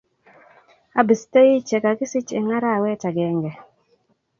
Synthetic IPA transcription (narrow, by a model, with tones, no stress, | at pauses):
a˨˦bi˨ste˦ji˦t͡ʃɛ˨ka˨ki˦si˦t͡ʃḛ˨ŋa˦ɾa˦˨wɛ˦ta˨ɡɛ˨˦ŋɡɛ˨